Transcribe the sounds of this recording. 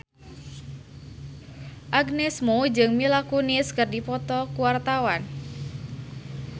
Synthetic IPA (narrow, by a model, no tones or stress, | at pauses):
ʔaɡnɛsmod͡ʒɨŋmilakunɪskərdipɔt̪ɔkuwart̪awan